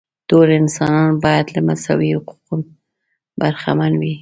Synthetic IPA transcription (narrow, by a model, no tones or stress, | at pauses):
d̪̥oɾɪnsɑnɑnbɑjad̪lamasa̰wihʊqu̥qun | baɾxa̰manwi